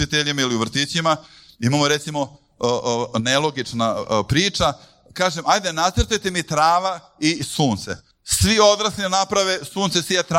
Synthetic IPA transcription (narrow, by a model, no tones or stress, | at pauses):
it̪eʎimailiuʋr̩t̪iːt͡ɕimaimamoɾe̞t̪simo̞ | nelˠo̞ɡit͡ʂnapɾiːt͡ʂa | kaːʒemajd̪enat̪srt̪ujt̪emit̪ɾaːʋa | isuːnt̪se̞̰ | sʋio̞d̪ɾasninapɾaʋesuːnse̞sʋijat̪ɾ